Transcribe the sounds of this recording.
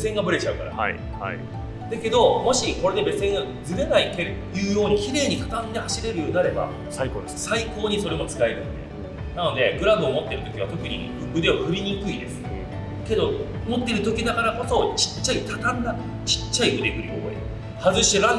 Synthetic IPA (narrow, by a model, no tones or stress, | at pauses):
besẽ̞ŋɡabɯ̟ɾe̞t͡ɕaɯ̟ka̰ɾa̰ | d̪̥ake̞d̪o̞mo̞ɕiko̞ɾe̞d̪e̞be̞sẽ̞ŋɡad͡zɨɾe̞naike̞ɾ | jɯːjo̞ːɲ̟ikʲiɾe̞ːɲ̟ik̪ḁt̪ãnd̪e̞haɕiɾe̞ɾɯ̟joːɲ̟inaɾe̞ba̰ | saiko̞ːɲ̟iso̞ɾe̞mo̞t͡sɨ̥ɾaeɾɯ̟̃n̰d̪ḛ | nano̞d̪e̞ɡɯ̟ɾãnd̪o̞ːmo̞t̪ːe̞ɾɯ̟t̪o̞kʲiβ̞at̪o̞kɯ̟ɲ̟ḭɸɯkɯ̟d̪e̞βaɸɯ̟ɾʲiɲ̟ikɯ̟id̪e̞sɨ̥ | ke̞d̪o̞ | mo̞t̪ːe̞ɾɯ̟t̪o̞kʲid̪akaɾako̞so̞t͡ɕi̥t͡ɕːait̪at̪anːa | t͡ɕi̥t͡ɕːaibɯ̟d̪ekɯɾijo̰ḭ | hazɨɕiɾã